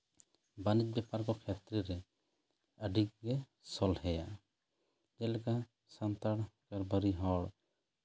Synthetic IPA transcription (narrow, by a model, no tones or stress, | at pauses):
banit͡ʃ̚bɛpaɾkɔkʰɛt̪ɾɛɾɛ | əɖik̚ɡɛ | sɔlɦɛja | d͡ʒɛlɛka | sant̪aɽkaɾbʱəɾiɦɔɽ